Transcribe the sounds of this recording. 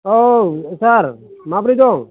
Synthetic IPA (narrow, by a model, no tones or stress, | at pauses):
osaɾmãpɾid̪o